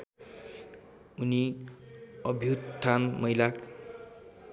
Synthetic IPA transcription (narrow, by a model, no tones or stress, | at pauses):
uni | ʌbʱjut̪t̪ʰːanmʌjlak